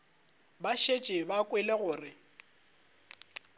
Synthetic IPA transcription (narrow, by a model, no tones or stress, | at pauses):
baʃet͡ʃʼɪbakʼwɛleɣʊːrɪ